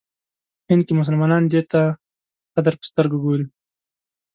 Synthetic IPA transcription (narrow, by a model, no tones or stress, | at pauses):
hɪnd̪̚kemʊs̬əlmɑnɑnd̪et̪a | qad̪əɾpə̥st̪əɾɡaɡoɾi